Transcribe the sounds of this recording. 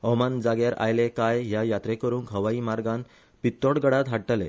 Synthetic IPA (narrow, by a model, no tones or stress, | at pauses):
ɔmand͡zaɡjaɾa̰jlekajɦjajat̪ɾekəɾuːŋkɦəʋaiːmaɾɡan | pit̪ːoɽɡəɽat̪ɦaɽʈəlḛ